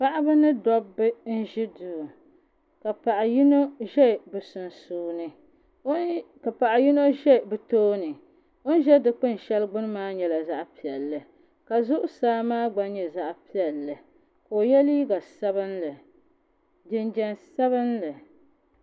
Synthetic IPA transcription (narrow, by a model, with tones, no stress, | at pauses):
pa˦ʔa˦bɨ˦nɨ˦dɔ˦bːɨ˦n̩˦ʒi˦duː˨ | ka˨pa˨ʔa˨ji˦no˦ʒɛ˦˨bɨ˨sʊ˨n˨suː˨nɨ˦ | ka˨pa˨ʔa˨ji˦no˦ʒɛ˦˨bɨ˨toː˦nɨ˨ | o˦n˦ʒɛ˦dɨ˨k͡pɨ˦n˨ʃɛ˦lɡ͡bʊ˦n˦maː˦ɲɛ˨la˨za˦ʔpi˨ɛ˨lːɨ˨ | ka˨zʊ˦ʔʊ˦saː˦maː˦ɡ͡ba˦ɲɛ˨za˦ʔpi˦ɛ˨lːɨ˨ | koː˨jɛ˦li˦ɡa˨sa˦bɨ˦nlɨ˨ | dɪ˦nd͡ʒɛ˦nsa˦βɨ˦nlɨ˨